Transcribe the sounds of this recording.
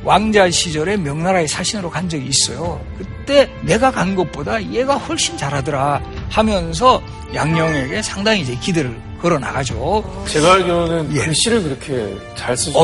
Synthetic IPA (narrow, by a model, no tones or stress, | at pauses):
wʔaŋd͡ʑaɕʰid͡ʑʌɾe̞mjʌŋnaɾae̞sʰaɕʰinɯɾokand͡ʑʌɡiːs͈ʌjokɯt͈e̞ne̞ɡakanɡʌp͈odaije̞ɡaɸwʌɭɕ͈int͡ɕaɾɦadɯɾahamjʌns̬ʰʌ | jaŋɲʌŋe̞ɡe̞sʰaŋdaŋiːd͡ʑe̞kidɯɾɯɭ | kʌɾʌna̰ɡad͡ʑot͡ɕeɡaɭɡjonɯnjeɕ͈iɾɯɭkɯɾʌkʰe̞̰ | t͡ɕaɭs͈ɯ